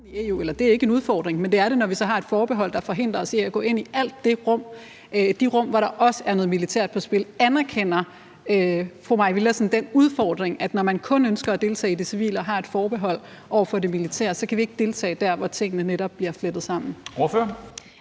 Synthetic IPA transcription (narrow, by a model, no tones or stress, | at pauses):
ieṵelɐd̥e̝æɐe̝ɡ̥əe̝nuð̞ˠfɒ̰ːd̥ʁeŋmend̥e̝æɐɾe̝nɒʋisɒ̽ɦɑ̈e̝d̥fɒːb̥eɦɒ̽l̰d̥ɑ̈fɒ̽ɦe̝n̰d̥ʁɐɒ̽seæɡ̥ɔ̰̽ːe̝n̰iʔæl̰d̥ːe̝ʁɔ̽m̰ | d̥iʁɔ̽m̰ʋɑɾɑ̈ʔɒ̽səæɐnɔ̽ð̩ˠmilit͡sʰæɐ̰d̥̚pʰɒ̽sb̥e̝lænæɐkʰen̰ɐ | fʁomɑ̈ɪʋilɐsn̩d̥enuð̞ˠfɒːd̥ʁeŋæd̥nɒmænkʰɔ̽nønsɡ̥ɐæd̥e̝lt͡sʰɛ̰ːid̥isiʋḭːlɒɦɑ̈e̝d̥fɒːb̥e̝ɦɒ̽l̰ | ʔɒʊ̰ɐfɒ̽de̝milit͡sʰæ̰ɐ̰sɒ̽kʰæʋie̝ɡ̥əd̥e̝lt͡sʰɛ̰ːd̥æɐʋɒt͡sʰe̝ŋ̰ənəneɾɒb̥liɐfled̥ð̞̩ˠsɑ̈m̰n̩oføɐ